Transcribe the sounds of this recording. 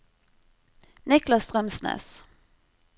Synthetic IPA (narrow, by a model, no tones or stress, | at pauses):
nɪklɑst̪ʁœmsnḛːs